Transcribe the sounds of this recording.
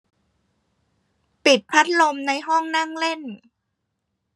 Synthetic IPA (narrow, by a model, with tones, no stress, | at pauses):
pi˨˩t̪̚pʰa˦˥t̪̚lo˧mna˧jɦɔ˥˩ŋna˥˩ŋle˥˩n